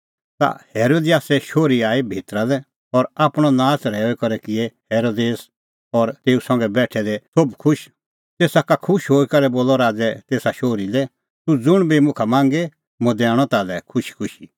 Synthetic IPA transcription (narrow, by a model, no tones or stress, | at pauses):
t̪a̰hɛːɾoːd̪ijaːsɛʃoːɾiaːibʱeːt̪ɾad̪ɛ | ɔɾapɽ̃ɔnãːt͡sɾɛːoɛkɐɾɛkɪɛhɛːɾoːd̪eːs | ɔɾt̪eːusɐ̃ŋɡɛbɛːʈʰɛd̪ɛsobkʰʊʃ | t̪eːsakakʰʊʃɦoːikɐɾɛboːlɔɾaːd͡zɛt̪eːsaʃoːɾid̪ɛ | t̪ud͡zʊɽ̃bimʊ̃kʰamãːŋɡe | mɔ̃d̪ɛːɽ̃ɔt̪alɛkʰʊʃi̥kʰʊʃi